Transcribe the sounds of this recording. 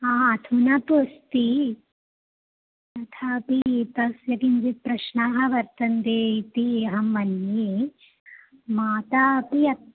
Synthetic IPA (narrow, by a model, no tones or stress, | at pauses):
aːɐt̪ʰunɐpust̪i | t̪ɐt̪ʰaːpit̪ɐsjɐkind͡ʒipɾɐʃnaːɦɐʋɐɾt̪ɐnt̪eːit̪iɐɦɐmʋɐnji | maːt̪aːpiɐ